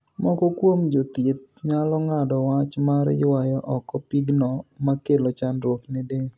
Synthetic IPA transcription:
mɔkɔkwomd͡ʒot̪ɪt̪̚ɲalɔŋadɔwat͡ʃmaɾjwajɔʔɔkɔpiɡnɔmakelot͡ʃandɾwoknɪde

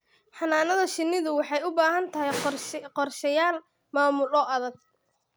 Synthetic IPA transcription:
ħɑnaːnɐðɐʃɪnːɪðʊwɑħɑjʊbaːɦɐnt̪ʰɐɦɛjqɔrʃɐjaːl | maːmʊlɔʔɐðɐɡ̚

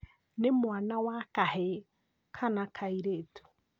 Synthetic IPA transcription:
nemwanawakahe | kʰanakʰaiɾetu̥

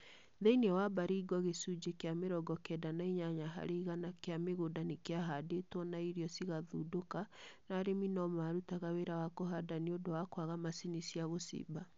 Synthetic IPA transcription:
ðɛinewabaɾiːɡɔɣesud͡ʒekeameɾɔɡɔkɛdanaiɲaɲaɦa̰ɾeiɣanakeameɣodanekeaɦadetwɔnaiɾiɔsiɣaðuːdokanaɾeminɔmaɾutaɣaweɾawakoɦadaniodowakwaɣamasinisiaɣosḭba

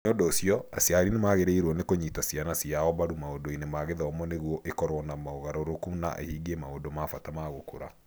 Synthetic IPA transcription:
ondoːsiɔa̰sjaɾinemaːɣeɾeiɾwɔnekoɲitasianasiaɔβaɾumaondoinemaːɣeðɔɔmɔneɣwɔʔekɔɾwɔnamaoɣaɾɔɾokuna̰ʔḛhiɡiemaodomafatamaɣokoɾa

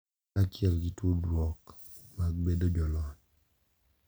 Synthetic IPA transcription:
at͡ʃjɛlɡitodwɔk | mak̚bedod͡ʒɔlɔ

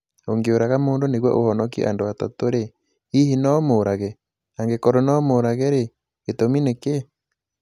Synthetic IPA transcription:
oŋɡeoɾaɣamoːndoneɣwɛ̰ʔohɔnɔk̬ḭʔa̰ndoatɔtoɾe | ihinɔmoɾaɣɛ | aŋɡekɔɾonɔmoːɾaɣɛɾe | etomineke

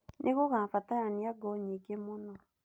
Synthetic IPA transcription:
nʔeɣoɣafataɾaniaɡɔɲiɡemonɔ

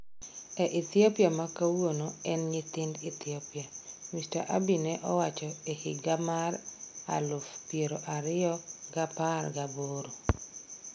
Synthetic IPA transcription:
ɛʔit̪iopiamakawonoɛnɲɪt̪ɪndit̪iopɪamista̰ʔabinɛʔɔwat͡ʃɔehɪɡamara̰lʊfpjeɾoʔaɾɪjɔɡaparɡaboɾo

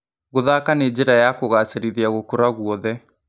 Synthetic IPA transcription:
ɣoðakaned͡ʑeɾajakoɣaseɾiðiaɣokoɾaɣuɔðɛ

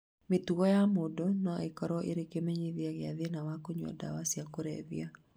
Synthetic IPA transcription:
metuɣɔjamodɔnɔekɔɾɔʔḛɾekemeɲiðjaɣɪaðenawakoɲɔ̰da̰wasjakoɾɛ̰ðḭa

